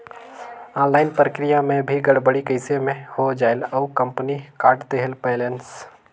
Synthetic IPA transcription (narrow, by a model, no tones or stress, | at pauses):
ãːnlaːɪnpɾəkɾɪjamẽbʱiɡəɽbəɽikəɪsemẽhod͡ʒaːɪləukə̃mpənikaːɾʈt̪eːɦɪlpeɪlens